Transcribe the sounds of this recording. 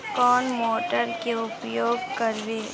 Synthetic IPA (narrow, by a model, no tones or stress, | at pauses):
kɔːnmoːʈəɾkeʊpjoːɡkɐɾʋeː